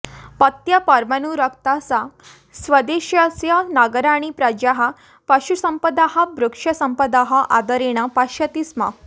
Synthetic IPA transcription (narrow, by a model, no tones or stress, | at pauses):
pət̪japaɾmanuɾəkt̪asa | sʋəd̪eɕjasjanaɡəɾaɽ̃ipɾad͡ʑaɦa | paɕusəmpəd̪aɦabɾukʂɐsəmpəd̪aɦaʔa̰d̪əɾeɽ̃apaɕət̪isma̰